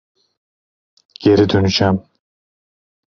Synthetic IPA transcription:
ɡ̥eɾid̪ønyt͡ʃæm

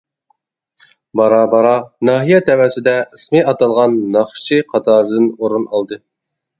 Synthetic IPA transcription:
bɑɾɑbɑɾɑnɑːɦijɛt̪ʰɛwɛsɪd̪ɛɨsmɨʔɑt̪ɑlˠʁɑnːɑχʃiqʰɑt̪ʰɑːɾɨd̪ɨnoɾunɑlˠd̪ɨ

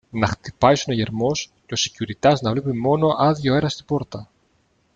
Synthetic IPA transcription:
nɐxt̪i̥pɐjsunoʝe̞ɾmo̞sceo̞si̥cuɾit̪ɐznɐvle̞pimo̞no̞ʔɐðʝo̞e̞ɾɐst̪ibo̞ɾt̪ɐ

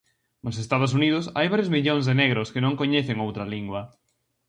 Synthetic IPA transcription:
nos̬est̪aðʊs̬uniðʊsa̰jβaɾjozmiʎõŋzðeneɣɾʊskɪnõŋkoɲɛθeŋowt̪ɾɐliŋɡwɐ

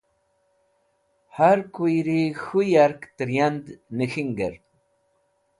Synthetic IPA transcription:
haɾkujɾixujaɾkt̪əɾjand̪nəxiŋɡə̰ɾ

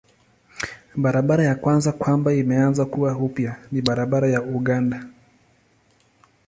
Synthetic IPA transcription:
ɓaɾaɓaɾajakwanzakwambaimɛanzakuwahupjaniɓaɾaɓaɾajauɠanda

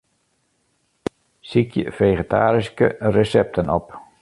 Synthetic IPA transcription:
sikjə̰feχətʰa̰ːɾiskə̰rəsɛp̚tʰənɔp

